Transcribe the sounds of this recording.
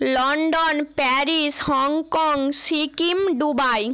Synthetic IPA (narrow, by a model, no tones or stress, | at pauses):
lɔɳɖonpɛɾishɔŋkɔŋsikimɖubaj